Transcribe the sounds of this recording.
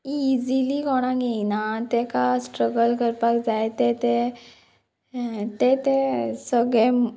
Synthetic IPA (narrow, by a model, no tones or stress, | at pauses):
izilikɔɽ̃ãɡenat̪ekasʈɾəɡəlkəɾpakd͡zaet̪et̪e | t̪et̪esəɡɭe